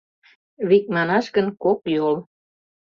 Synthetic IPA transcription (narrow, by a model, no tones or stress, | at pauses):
βik̚mɑnɑʃɡənkokjol